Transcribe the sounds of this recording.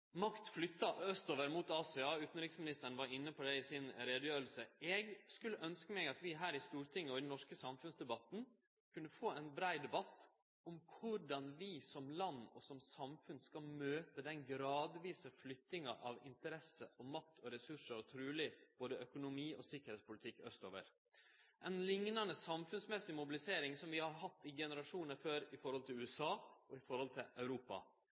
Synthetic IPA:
mɑkt̪flʏt̪ːɑœst̪oːʋəɾmuːt̪ɑːsɛɑːʉːt̪nɾɪksmɪnɪst̪əɾn̩ʋɑɾɪnːəpʰɔd̪æɪsɪnɾeːd̪əjøːɾlsəɛːɡskʉlːəʔœnskəmɛɡɑt̪ʋɪɦæːɾɪst̪uːɾʈ̪ʰɪŋːəɔɪd̪nɔʂkəsɑmfʉnsd̪ɛbɑt̪n̩ | kʰʉnːəfoːæɪnbɾæɪd̪ɛbɑt̪ː | ɔmkʰʊɖɑnʋɪsɔmlɑnːɔ̰sɔmsɑmfʉnskɑlmøːt̪əd̪ɛnɡɾɑːd̪ʋiːsəflʏt̪ːɪŋɑʔɑʋɪ̰nt̪əɾɛsəʔɔmɑk̚t̪ʰɔɾɛsʉʂəɾɔt̪ʰɾʉːlɪb̥oːd̪əʔœkʊnʊmiːʔɔsɪkːəɾheːt̪spʊlɪt̪ʰɪkːœst̪oːʋə̰ɾ | ʔɛnlɪŋnɑnəsɑmfʉnsmɛsɪmʊbɪlɪseːɾɪŋsɔmʋɪhɑɾɦɑt̪ːɪɡɛnəɾɑʂuːnəɾføːɾɪfɔɾhɔlt̪ɪlʉːɛsɑːɔɪfɔɾhɔlt̪ʰɪlɑʉɾuːpɑ̰

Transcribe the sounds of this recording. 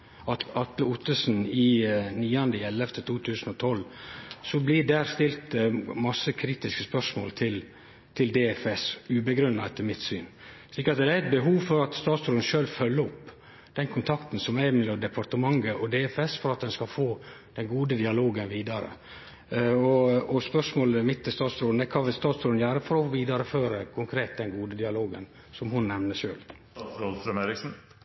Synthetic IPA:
ɑt̪ɑt̪ləʊt̪əsnɪniːɑnd̪əɪɛlːɛft̪ət̪ʰuːt̪ʰʉːsnɔt̪ʰɔlsɔblɪɖæːɾst̪ɪlt̪mɑsːəkʰɾiːt̪ɪskəspœʂmo̰ːlt̪ʰɪl | t̪ʰɪld̪eːɛfɛsʉːbəɡɾʉnːɑɛt̪ːəɾmɪt̪sy̰ːn | ʂlɪkːəɾɑt̪d̪dæɾɛt̪̚bəɦuːʋfɔɾɑt̪st̪ɑːt̪sɾɔnʃøːlfœlːəɔp | d̪̥ɛnkʰʊnt̪ʰɑkt̪n̩sɔmæɪmɛlɔmd̪ɛpʰɑɾʈ̪əmɑŋːəʔɔd̪eːɛfɛsfɔɾɑt̪̚d̪ɛnskɑlfoːd̪̥ɛnɡuːd̪əd̪ɪɑloːɡənʋiːd̪ɑɾə̰ | ɔɔspœʂmoːləmɪt̪ʰːɪst̪ɑːt̪sɾoːd̪nd̪ɛkʰɑːʋɪlst̪ɑːt̪sɾoːd̪njæːɾəfɔɾɔfʋiːd̪ɑɾəføːɾəkʰʊŋkʰɾeːt̪̚d̪ɛnɡuːd̪əd̪ɪɑloːɡə̰n | sɔmhʊnnɛmnəʂøːl | otɾœmeːɾɪksn̩

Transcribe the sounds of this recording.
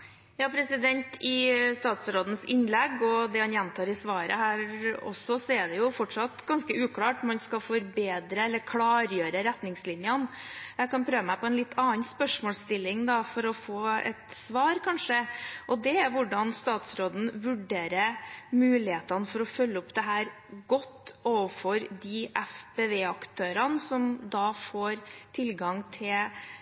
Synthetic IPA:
jɑːpʰɾɛsɪd̪ɛnt̪ʰɪst̪ɑːt̪sɾoːd̪ən̩sɪnlɛɡɔd̪ɛhɑnjɛnt̪ʰɑːɾɪsʋɑːɾə̰hæːɾɔ̰sːɔsɔɛɖɛjʊfɔʈʂɑt̪ɡɑnskəʉːkʰlɑːʈmɑnskɑfɔɾbeːd̪ɾəɛlːəɾkʰlɑːɾjøːɾəɾɛt̪nɪŋslɪnjənjæɪkɑnpʰɾøːʋəmæɪpɔɛnlɪt̪ʰːɑːnspœʂmoːlst̪ɪlːɪŋd̪ɑfɔɾɔfoːɛ̰t̪sʋɑːɾkʰɑnʂəʔɔd̪ɛæɾʋʊɖɑnst̪ɑːt̪sɾoːd̪n̩ʋʉɖeːɾəmʉːlɪheːt̪ɑnəfɔɾɔfœlːəɔpd̪ɛɦæːɾ | ɡɔt̪ːoːʋəfɔɾd̪iʔɛfbeːʋeːɑkt̪ʰøːɾɑnsɔmd̪ɑfoːɾt̪ʰɪlɡɑŋt̪ʰɪl

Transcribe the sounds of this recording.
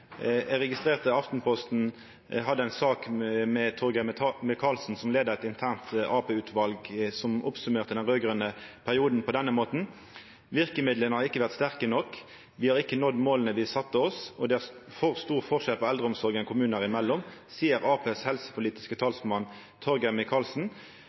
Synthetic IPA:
ɛʁɛɡɪst̪ʁeːʁt̪əɑft̪n̩pʰɔst̪n̩ | ɦɑd̪ːəæɪnsɑːkmɛt̪ʰɔʁɡəmɪkʰɑlsn̩sɔmleːd̪əʁɛt̪ɪnt̪ʰæːʁnt̪ʔɑːpeːʉːt̪ʰʋɑlɡsɔmɔpsʉmeːʁt̪əd̪ɛnʁøːɡʁœnəpʰæʁɪuːd̪n̩pʰɔd̪ɛnːəmoːt̪n̩ | ʋɪʁkəmɪd̪lənəhɑʁɪkːəʋæʁt̪st̪æʁkənɔkː | ʋɪhɑʁɪkːənɔd̪moːlənəʋɪsɑt̪ːəɔsɔd̪ɛæ | fɔʁst̪uːʁfɔʁʂɛlpʰɔɛld̪ʁəʊmsɔʁɡɛnŋkʰʊmʉːnəʁɪmɛlːɔmsiːəʁɑːpʰeːshɛlsə̥pʰʊliːt̪ɪskət̪ʰɑːlsmɑn | t̪ʰɔʁɡəmɪkʰɑːlsn̩

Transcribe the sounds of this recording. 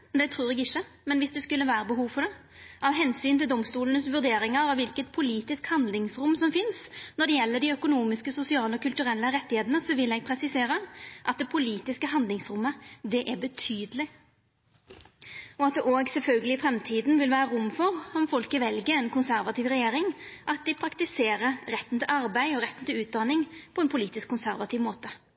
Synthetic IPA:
d̪ɛt̪ʰɾuːɾɛɡɪçːəmɛnʋɪsd̪ɛskʉlːəʋæːɾəbəɦuːʋfɔɖ̪ɛ | ɑʋɦɛnsyːnt̪ɪld̪ɔmst̪uːlənəsʋʉɾd̪eːɾɪŋəɾɑʋɪlkət̪̚pʰʊliːt̪ɪskhɑnd̪lɪŋsɾʊmːsɔmfɪnsnɔɖ̪ɛjɛlːəɖ̪ɪœkʊnuːmɪskəsʊsɪɑːləɔkʰʉlt̪ʉɾɛlːəɾɛt̪ːɪheːd̪ənəsɔʋɪlɛɡ̚pʰɾɛsɪseːɾəʔɑt̪̚d̪ɛpʰʊliːt̪ɪskəɦɑnd̪lɪŋsɾʊmːəd̪ɛʔæbət̪ʰyːd̪əlɪ | ɔɑt̪̚d̪ɛʔoːɡsɛlfœlɡəlɪfɾɛmt̪ʰiːd̪nʋɪlʋæːɾəɾʊmːfɔɾɔmfɔlkəʋɛlɡəɛnkʰʊnsæɾʋɑt̪iːʋɾɛjeːɾɪŋʔɑt̪̚d̪ɪpʰɾɑkt̪ɪseːɾəɾɾɛt̪ːn̩t̪ʰɪlʔɑɾbæɪɔɾɛt̪ːən̩t̪ɪlʉːt̪̚d̪ɑnɪŋpʰɔɛnpʰʊliːt̪ɪskʰːʊnsæɾʋɑt̪ʰiːʋmoːt̪ə

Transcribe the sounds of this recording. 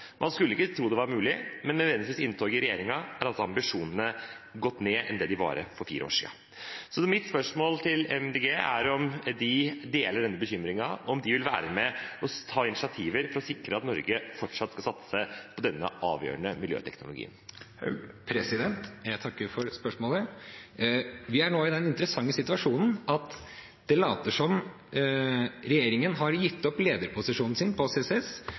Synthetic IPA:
mʔɑnskʉlːəɪkːət̪ʰɾuːd̪ɛʋɑɾmʉːlɪmɛnmɛʋɛnd̪ɪʋiːsɪnt̪ʰoːɡɪɾɛjeːɾɪŋɑæɾɑlsɔɑmbɪʂuːnənə | ɡɔt̪ːneːʔɛ̰nd̪ɛːd̪ɪʋɑ̰ːɾə̰fɔɾfḭːɾəo̰ːʂḭːɑ̰ | sɔmɪt̪spœʂmoːlt̪ʰɪlɛmd̪eɡeːæɾɔmd̪ɪd̪eːləɖɛnːəbəçʏmɾɪŋɑɔmd̪ɪʋɪlʋæ̰ːɾəmɛɔt̪ʰɑːɪnɪsɪɑt̪ʰiːʋəɾfɔɾɔsɪkɾəɑt̪nɔɾɡəfɔʈʂɑt̪ːskɑsɑt̪sə̥sæpʰɔd̪ɛnːə̰ʔɑ̰ːʋjø̰ːɾəɳəmɪljø̰ːt̪ʰɛknʊlʊɡḭːə̰n | pʰɾɛsɪd̪ɛnt̪jæɪt̪ʰɑkːəfɔɾspœʂmoːlə | ʋɪæɳoːɪd̪ɛnɪnt̪əɾəsɑŋːəsɪt̪ʉɑʂuːnn̩ɑt̪ | d̪̥ɛlɑːt̪əʂɔm | ɾɛjeːɾɪŋənɦɑɾjɪt̪ːɔpleːd̪əɾpʰʊsɪʂuːnn̩sɪnpʰɔseːsɛs

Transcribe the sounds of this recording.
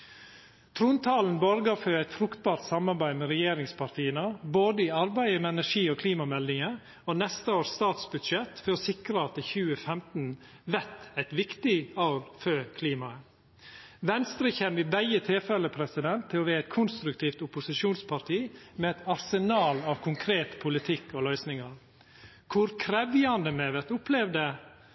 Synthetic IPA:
t̪ʰɾuːnt̪ʰɑːln̩bɔɾɡɑføːæɪt̪fɾʊkt̪̚bɑːɾt̪sɑmɑɾbæɪmɛɾɛjeːɾɪŋspʰɑɾt̪ʰiːənəboːd̪əiɑɾbæɪəmɛɛnæʂiːoːkʰliːmɑmɛld̪ɪŋə | onɛst̪əoːst̪ɑːt̪sbʉd̪ʂɛt̪fɔɾɔsɪkɾəɑt̪ɪçʉːəfɛmt̪n̩ | ʋæt̪æɪt̪ʋɪkt̪ɪoʊɾføːkʰliːmɑə | ʋɛnst̪ɾɪçɛmʋɪbæɪət̪ʰeːfɛlːəpʰɾɛsɪd̪ɛnt̪ʰːɪlɔʋeːæɪt̪̚kʰʊnst̪ɾʉkt̪ʰiːft̪ʊpʊsɪʃuːnspʰɑɾʈ̪ʰiːmɛɛt̪ɑɾsənɑːlɑːʋkʰʊŋkʰɾeːt̪pʰʊlɪt̪ʰɪkːɔlœʏsnɪŋɑɾ | kʰʊɾkʰɾɛʋjɑnd̪əmɛʋæɾt̪ʊplɛʋd̪ə

